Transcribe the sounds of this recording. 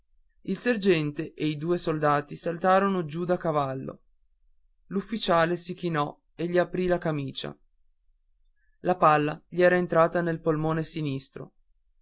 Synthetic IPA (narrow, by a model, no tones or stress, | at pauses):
ilserd͡ʒɛnt̪eʔeid̪uːesold̪aːt̪isalt̪aːɾonod͡ʒud̪akavalːo̰ | lufːit͡ʃaːlesik̟inɔ | eʎːiapɾilakamiːt͡ʃa̰ | lapalːaʎiɛːɾaent̪ɾaːt̪anelpolmoːnesinist̪ɾo̰